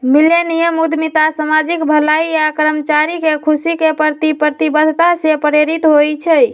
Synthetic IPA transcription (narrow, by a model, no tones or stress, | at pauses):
miljənijəmud̪ʱmit̪asəmad͡ʒikbʱəlaiakɾəmt͡ʃaɾikekʰusikepəɾt̪ipɾət̪ibəd̪ʱt̪asepəɾeɾit̪ɦojt͡ʃʰəj